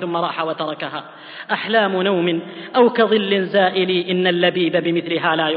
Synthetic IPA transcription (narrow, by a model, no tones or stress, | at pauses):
θʊmːaɾˤɑːħawat̪ɑɾˤɑkaɦaː | ʔaħlaːmʊnawmɪnʔawkaðˤɨlːɪnzaːʔɪliːʔɪnːalːabiːbabɪmɪθlɪɦaːlaːj